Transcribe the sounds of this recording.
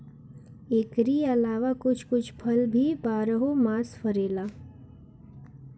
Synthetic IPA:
eːkɾiɐlaːʋakʊt͡ʃʰkʊt͡ʃʰpʰɐlbʱibaːɾəɦomaːsfəɾeːlaː

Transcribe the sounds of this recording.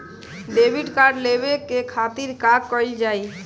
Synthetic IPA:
ɖebʱiɖkaɾɖlebekekʰat̪iɾkaɡkɔjld͡ʒaj

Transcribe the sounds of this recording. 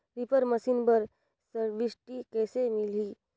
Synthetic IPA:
ɾɪpəɾməsinbəɾ | səɾʋɪsʈikɛːsemɪliː

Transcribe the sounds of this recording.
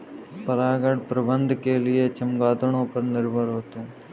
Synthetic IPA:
pəɾaːɡəɽpɾəbə̃nd̪ʱkelɪet͡ʃəmɡaːd̪ɽ̃õːpəɾnɪɾbʱəɾɦoːt̪eɛː

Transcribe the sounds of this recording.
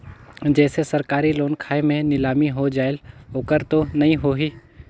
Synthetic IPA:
d͡ʒɛːsesəɾkaːɾiloːnkʰaːemẽnɪlaːmiɦod͡ʒaːɪloːkəɾt̪onɐɦĩɦoːɦiː

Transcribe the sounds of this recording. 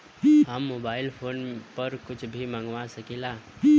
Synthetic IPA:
ɦəmːobailpʰoːnpəɾkʊt͡ʃʰbʱimãŋɡʋasəkila

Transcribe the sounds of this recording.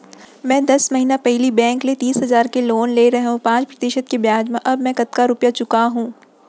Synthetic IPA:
mɛ̃ːd̪ɐsmɐɦiːnapɛɦlibɛ̃ːŋklet̪iːsɦɐzaːɾkeloːnleɾɐɦɦõpãːt͡ʃpɾɐt̪ɪʃət̪̚kebjaːd͡ʒmẽʔɐbmɛ̃kɐt̪kaɾʊpjat͡ʃʊkaɦũː

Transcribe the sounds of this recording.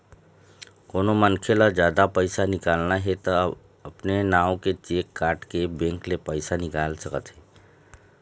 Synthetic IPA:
koːnomənkʰelad͡ʒjaːd̪apəɪsanɪkaːlnaɦɛt̪ə | ɐpnenaːõket͡ʃeːkːaːɾʈkebẽːŋklepəɪsanɪkaːlsəkət̪ɦɛː

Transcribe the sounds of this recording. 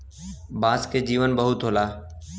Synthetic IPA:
baːskeːd͡ʒiːʋənbəɦʊt̪ɦoːlaː

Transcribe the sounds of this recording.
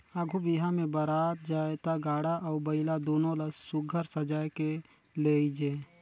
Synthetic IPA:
əɡʱubiɦãmẽbəɾaːt̪̚d͡ʒaːjt̪aɡaːɽaʔɔːbəɪlad̪oːnõlasʊɡʱəɾsəd͡ʒaːjke | leid͡ʒeː

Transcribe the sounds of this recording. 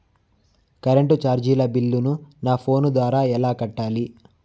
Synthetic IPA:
kɐɾeɳʈut͡ʃaːɾd͡ʒiːlɐbilːununaːpʰo̞ːnud̪ʋaːɾaːɛlaːkɐʈːaːli

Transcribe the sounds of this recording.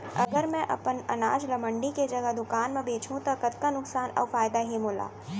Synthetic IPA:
ɐ̰ɡəɾmɛ̃ʔɐ̰pənɐ̰naːd͡ʒlɐməɳɖiked͡ʒɐɡəɦd̪ʊkaːnmẽbeːt͡ʃʰũt̪ɐkət̪kanʊksaːnɔ̰ːfaːjd̪aɦimʊːla̰ː

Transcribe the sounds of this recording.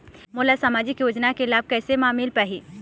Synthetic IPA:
mʊːlasaːmaːd͡ʒɪkjoːd͡ʒnakelaːb̚kɛːsemaːmilpaɦiː

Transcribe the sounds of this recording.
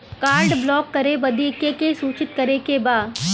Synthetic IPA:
kaːɾɖblɔːkːɐɾebɐd̪iːkekesuːt͡ʃɪt̪̚kɐɾekebaːd̪

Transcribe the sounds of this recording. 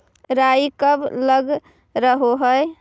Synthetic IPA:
ɾaikəbləɡ | ɾəɦoɦəj

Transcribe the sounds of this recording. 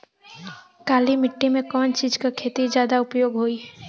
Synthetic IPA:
kaːlimɪʈːimẽkɔːnt͡ʃiːd͡ʒkakʰeːt̪id͡ʒjaːd̪aʊpjoːɡɦoːiɦɛː

